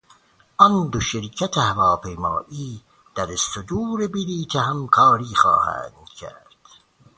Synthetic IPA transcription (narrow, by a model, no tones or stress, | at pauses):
ʔɒnd̪oʃeɾcʰæt̪ʰehævɒːpʰejmɑ̰ːʔiː | d̪̥æɾest̪od̪uːɾebiliːt̪ʰeɦæmkʰɑːɾiːxɑ̰ːhæ̰ːnd̪̥cʰæ̰ɾɾd̪̥